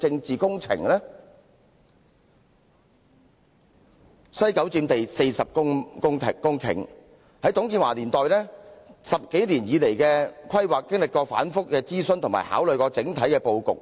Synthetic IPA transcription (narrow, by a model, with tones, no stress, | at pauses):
t͡sɪ˧ŋt͡siː˨kʊ˥ŋt͡sʰɪ̰˨˩ŋlɛː˥ | sɐ˥jkɐ˨˥wt͡siː˧mt̪e˨jse˧jsɐ˨p̚kʊ˥ŋkʊ˥ŋʰ˨kʊ˥ŋkʰɪ̰˨˩ŋ | hɐ˨˥jt̪ʊ˨˥ŋkiː˧nwaː˨˩liː˨˩nt̪ɔː˨jlɛː˥sɐ˨p̚ke˨˥jliː˨˩njiː˨˧le˨˩jkɛː˧kʰɐ˥jwaː˨kːɪ˥ŋlɪ˨kːɔː˧fa̰ː˨˥nfʊ˥k̚ːɛː˧t͡siː˥sɵ˥nt̪ʰʊ˨ŋma̰ː˨˩jha̰ː˨˥wlɵ˨ɥkɔː˧t͡sɪ˨˥ŋt̪ʰɐ˨˥jkɛː˧po˧wkʊ̰˨k̚